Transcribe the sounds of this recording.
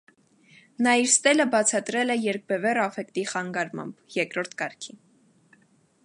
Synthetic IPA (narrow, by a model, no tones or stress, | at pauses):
nɑiɾst̪ɛləbɑt͡sʰɑt̪ɾɛlɛjɛɾk̚bɛvɛɾɑfɛkt̪iχɑŋɡɑɾmɑ̰mbjɛkɾɔɾt̪ʰkɑɾkʰi